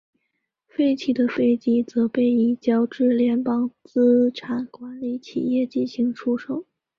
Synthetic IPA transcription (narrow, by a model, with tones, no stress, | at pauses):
fe˥˧ɪt͡ɕʰi˨˩d̪ə˦fe˥˩ɪt͡ɕi˥t͡sɤ˧˥pe˥˩ɪi˧˥˩t͡ɕjɑ˥ʊʈ͡ʂɻ̩˥˩ljɛ˧˥npɑ˥ŋt͡sɹ̩˥ʈ͡ʂʰa˨˩nkwa˧˥nli˧˥t͡ɕʰḭ˨˩jɛ˥˧t͡ɕi˥˩nɕi˧˥ŋʈ͡ʂʰu˥ʂo˨˩˦ʊ